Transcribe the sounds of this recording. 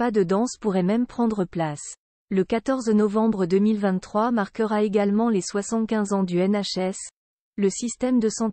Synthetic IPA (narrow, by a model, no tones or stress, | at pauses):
pad̪əd̪ɑ̃spuʁɛmɛmpχɑ̃d̪ʁəplas | ləkat̪ɔʁznɔvɑ̃bʁəd̪əmilvɛ̃t̪ːχwamaʁkəʁaeɡalmɑ̃leswasɑ̃t̪kʲɛ̃zɑ̃d̪yɛnaʃɛs | ləsist̪ɛmd̪əsɑ̃